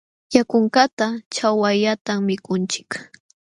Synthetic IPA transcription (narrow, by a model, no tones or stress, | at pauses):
jakʊŋkat̪at͡ʃawajʎat̪ammɪkʊnt͡ʃɪ̥k